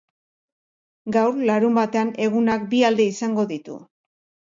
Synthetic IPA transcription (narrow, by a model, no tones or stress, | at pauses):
ɡawrlaɾumbat̪e̞ane̞ɣunak̚biald̪e̞isaŋɡo̞ðit̪ṵ